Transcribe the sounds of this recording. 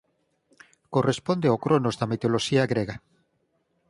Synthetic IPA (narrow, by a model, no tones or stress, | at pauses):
korespond̪eokɾonozðɐmit̪oloʃiɐɣɾeɣa